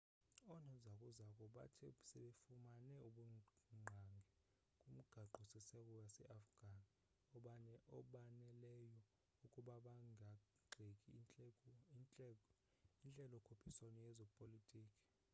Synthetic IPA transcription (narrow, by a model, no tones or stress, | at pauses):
ɔnɔzakʼuzak̬ʼɔɓa̰tʰɛsɛɓefumanɛuɓuŋ͡ǃʱaŋɡʱɛ | kʼum̩ɡ̥ʱaǃʱɔsɛsɛkʼɔwasɛʔafɡ̥ʱani | ɔɓaɔɓanɛlɛjɔ | ukʼuɓaɓaŋa | ɡ͡ǃʱekʼi | nɛ | int͡ɬʼɛlɔkʰopʰisanɔjɛzɔpʼolitʼiːkʼi̥